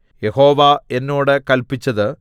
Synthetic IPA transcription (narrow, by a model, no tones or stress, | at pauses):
je̞ho̞ːʋɐe̞nːoːɽɨkɐlpit͡ɕːɐðɨ